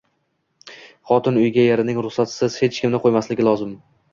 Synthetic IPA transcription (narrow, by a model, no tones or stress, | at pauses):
χɒt̪ʰɪnʊjɡʲajeɾɪnɪŋɾʊχsat̪sɪz̥he̞t͡ʃkʲɪmnɪqʰojmaslɪɡʲɪlˠɒzɪm